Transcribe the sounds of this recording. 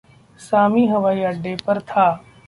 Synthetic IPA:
saːmiɦɐʋaːiɐɖːepɐɾt̪ʰaː

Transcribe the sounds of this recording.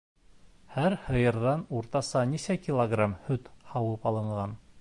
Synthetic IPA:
hæɾhɤ̆jɤ̆ɾðɑnuɾt̪ɑsɑnisækʲilˠoɡramhɵt̪hɑwɤpɑlˠɤ̆ɴɢɑn

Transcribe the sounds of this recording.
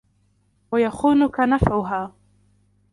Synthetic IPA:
wajaxuːnʊkanafʕʊɦaː

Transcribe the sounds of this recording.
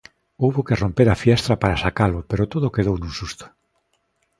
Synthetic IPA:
owβokerompeɾafjɛst̪ɾapaɾasakalʊpeɾot̪oðʊkeð̞ownũsust̪ʊ̥

